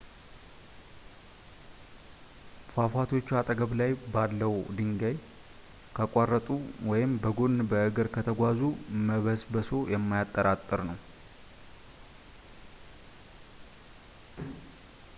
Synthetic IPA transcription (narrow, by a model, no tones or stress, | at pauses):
fafat̪ʰo̞t͡ʃːat̪ʼəɡəβlajbalːəwd̪ɨŋɡəj | kʰakʷʼarːət̪ʼuwɔjɪmbəɡonbəɨɡɨɾkʰət̪ʰəɡʷazuməβəsbəso̞jɛmːajat̪ʼːəɾat̪ʼːɨɾnəw